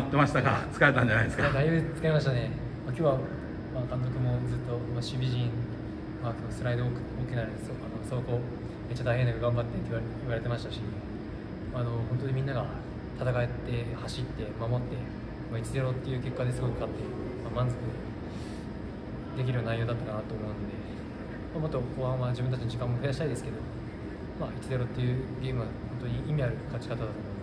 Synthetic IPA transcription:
at̪ːe̞maɕi̥t̪aɡa̰t͡sɨ̥kaɾet̪ãɲd͡ʑanajd̪esɨkad̪aijoːd̪et͡sɨ̥kaimaɕit̪ane̞ | makʲo̞ːβa | makãnt̪̬o̞kɯ̟mo̞d͡zɨt̪ːo̞maɕibʲiʑĩn | makoosɨɾaid̪ooːkoːkʲinaɾsoanoso̞ko̞ː | me̞tt͡ɕːat̪aihenːakɯɡãmbat̪ːet̪ːiβaɾe̞t̪e̞maɕi̥t̪aɕi | maːno̞hõnt̪o̞d̪imʲĩnːaɡa | t̪ʰat̪akaet̪ːe̞haɕit̪ːe̞mamo̞t̪ːe̞ | mait͡ɕize̞ɾo̞t̪ːe̞jɯ̟ːke̞kːad̪e̞sɨɡo̞kɯ̟kat̪ːe̞ | mamãnzokɯ̟ | d̪e̞k̬ʲiɾɯnaijoːd̪at̪ːakanat̪oːmo̞ːnod̪e̞ | mamo̞t̪ːo̞koːhãmad͡ʑibɯ̟̃nt̪at͡ɕinod͡ʑikãmːoɸɯ̟jaɕi̥t̪aid̪e̞sɨ̥ke̞d̪o̞ | mait͡ɕize̞ɾo̞t̪ːe̞jɯ̟ːɡʲe̞ːmɯβahõ̞nt̪oɲ̟iʔimʲiaɾɯ̟kat͡ɕi̥kat̪ad̪at̪o

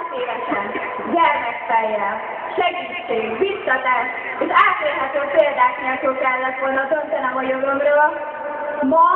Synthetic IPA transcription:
seːvɛʃɛn | ɡɛrmɛkfɛjːɛ | ʃɛɡiːt͡ʃːeːʋisːɒt̪ɛʃ | eʃaːt̪neːɾɦɛt̪øːpeːld̪aːkneːlkoːkɛlːɛt̪ʋo̞lnɒd̪ønt̪ɛnɛmojoɡomroːl | mɒ

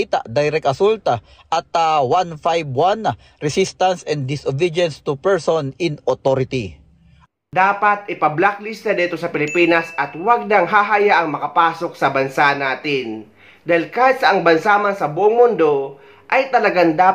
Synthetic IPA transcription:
it̪a̰ʔd̪ajɾɛk̚t̪ɐsult̪a | ʔɐt̪awanfajbwan | ɹɛsist̪ɐnsɛn̚d̪ɪsʔobɛd̪ɛnst̪upɛɹsonɪnot̪oɾɪt̪i | d̪aːpat̪ɪpɐblak̚lisnad̪iːt̪osɐpɪlɪpiːnɐsʔɐt̪waɡ̚nɐŋɦaːɦajaʔɐŋmɐkɐpaːsok̚sɐbɐnsanaːt̪ɪn | d̪aːhɪlkaːhɪt̪̚sɐʔɐŋbɐnsaːmansɐboʔoŋmʊnd̪o | ʔɐjt̪ɐlɐɡaŋd̪aː

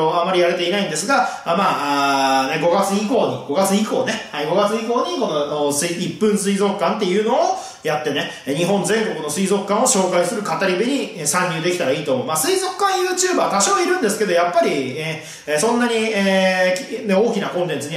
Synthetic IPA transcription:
oamːaɾʲijaɾe̞t̪e̞inaĩnd̪e̞sɨɡamaːaneɡo̞ɡat͡sɨiko̞ːɲ̟iɡ̥o̞ɡat͡sɨiko̞ːne̞haiɡo̞ɡat͡sɨiko̞ːɲ̟iko̞no̞sɨipːɯ̃ɰ̃sɨizo̞kɯkːãnt̪e̞jɯ̟ːno̞ː | jat̪ːe̞ne̞ | ɲ̟iɦõ̞nd͡zẽ̞ŋko̞kɯ̟no̞sɨizo̞kɯ̥kːãɰ̃o̞ɕo̞ːkaisɨɾɯ̟kat̪aɾʲibeɲ̟iesãɲʲːɨːd̪e̞kʲit̪aɾaiːt̪omomasɨizo̞kɯ̥kãɰ̃jɯ̟ːt͡ɕɨːbat̪aɕoːiɾɯ̟̃nd̪e̞sɨ̥ke̞d̪o̞japːaɾʲieː | sõ̞nːaɲ̟ieːkʲne̞o̞ːkʲinakõ̞nt̪ẽ̞nt͡sɨɲ̟i

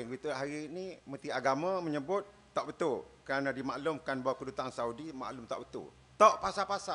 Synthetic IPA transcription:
ŋɡit̪uɦaɾinimə̃t̪iaɡamãməɲəbʊt̪̚ːɔʔbət̪ʊlkəɾanãdimaʔlʊmkanbawakədut̪ansaudima̰ʔlʊmt̪a̰ʔbət̪ʊ̰l | t̪ɔʔpasapasa

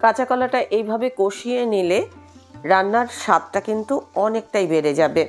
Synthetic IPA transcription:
kat͡ɕakɔlaʈaʔejbʱabekoʃienileɾanːaɾʃat̪̚ʈakint̪uɔnek̚ʈajbeɾed͡ʑabe

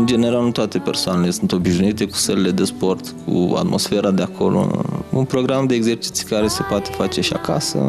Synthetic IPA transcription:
ɨnd͡ʒe̞ne̞ɾalnut̪oat̪e̞pe̞rsoanele̞sunt̪o̞biʃnuit̪e̞ku̥səlele̞d̪e̞spo̞rt̪kʰṵa̰t̪mʔo̞̰sfe̞ɾad̪eakʰo̞̰lo̰ṵnpɾo̞ɡɾamd̪e̞ːɡze̞rt͡ʃi̥t̪sʲikaɾe̞se̞poat̪e̥fat͡ʃe̞ʃia̰ka̰sə̰

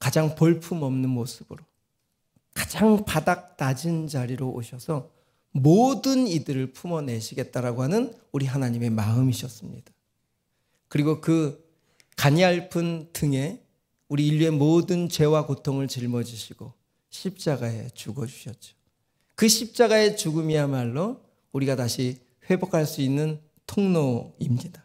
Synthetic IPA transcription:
kad͡ʑaŋpoɭpʰumʌmnɯnmosʰɯbɯɾo | kad͡ʑaŋpadak̚nad͡ʑind͡ʑaɾiɾoʔo̰ɕʰʌsʰʌ | modɯnidɯɾɯɭpʰumʌne̞ɕʰiɡe̞t̚t͈aɾaɡoɦanɯnuɾiɦanaɲime̞maɯmiɕʰʌs͈ɯmɲḭd̥ḁ | kɯɾiɡokɯ | kaɲiaɭpʰɯntɯŋe̞ | uɾiːʎːie̞modɯnt͡ɕe̞wakotʰoŋɯɭt͡ɕiɭmʌd͡ʑiɕʰiɡ̥o | ɕʰip̚t͡ɕ͈aɡae̞t͡ɕuɡʌd͡ʑuɕʰʌt̚t͡ɕ͈o̥ | kɯɕʰip̚t͡ɕ͈aɡae̞t͡ɕuɡɯmiamaɭːʌ | uɾiɡataɕʰi | ɸwe̞bokʰaɭs͈uinːɯn | tʰoŋnoimɲid̥a

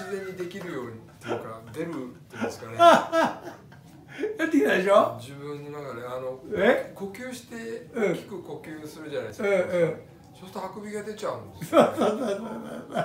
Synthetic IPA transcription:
sizẽ̞ɲ̟ːid̪e̞kʲiɾɯ̟jo̞ːɲ̟it̪ːeɯkad̪e̞ɾɯ̟t̪ːesɨ̥kanea | jat̪ːekinaeɕod͡ʑibɯ̟̃nːonakaɾeano̞eko̞kʲjɨːɕi̥t̪e̞ɯ̃kʲi̥kɯ̟ko̞kʲɨːsɨɾɯ̟d͡ʑana̰iesɯ̃ːɯ̃ | sosɨ̥t̪ohakobʲiɡad̪e̞t͡ɕaɯ̃nd̪soːsoːsoːsoːso̰so

